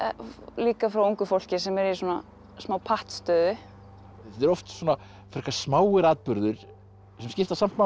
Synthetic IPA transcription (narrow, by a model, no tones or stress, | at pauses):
liːkafɾawuŋkʏfowl̥cɪsɛmɛɾiswɔːna | smaːwpʰaht̪st̪œːðʏ | θɛt̪ɛɾɔft̪sɔna | fʏɾ̥kasmaːwɪɾaːt̪pʏɾðʏɾ̥ | sɛmscɪft̪asam̥t̪ma